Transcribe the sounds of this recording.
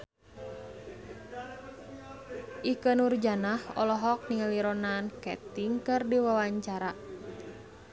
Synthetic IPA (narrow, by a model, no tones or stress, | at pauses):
ʔikənurd͡ʒanahɔ̰lɔɦɔk̚niŋəliɾɔnankɛ̰t̪iŋkɨrdiwawaɲt͡ʃaɾa